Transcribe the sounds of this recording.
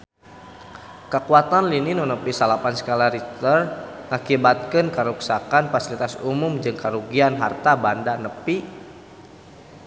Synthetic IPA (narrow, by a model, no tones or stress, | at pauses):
kəkuat̪anlininunəpisalapansə̥kalaɾit̪ərŋakibat̪̚kənkəɾuksakanfasilit̪asumumd͡ʒɨŋkaɾuɡianɦart̪abandanəpi